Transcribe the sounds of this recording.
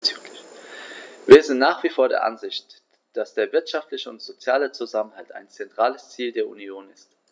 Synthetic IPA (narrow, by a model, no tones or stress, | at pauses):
viːɐzɪntnaːχv̥iːfoːɐɾḛɐʔa̰nzɪçt | d̥asd̥eːɐvɪɐtʃaftlɪçəʊntz̥ot͡sjaːlət͡suzamənhɦalta̰ɪnt͡sɛntʁ̥aːləst͡siːldeːɐʔunioːnɪst